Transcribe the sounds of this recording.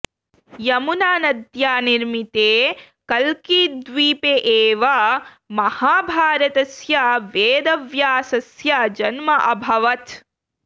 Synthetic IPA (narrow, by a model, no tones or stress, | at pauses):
jɐmunaːnɐd̪jaːniɾmit̪eː | kɐlkid̪ʋiːpeʔeːʋɐ | mɐhaːbʱaːɾɐt̪ɐsjɐʋeːd̪ɐʋjaːsɐsjɐd͡ʒɐnmɐʔɐbʱɐʋɐt̪